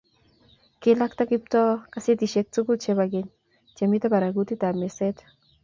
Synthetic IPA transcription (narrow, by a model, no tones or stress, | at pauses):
kɪlak̚t̪akip̚t̪ɔkaset̪iʃek̚t͡sukut͡ʃeβaɡeɲ | t͡ʃamit̪apaɾaɡut̪it̪ameset̪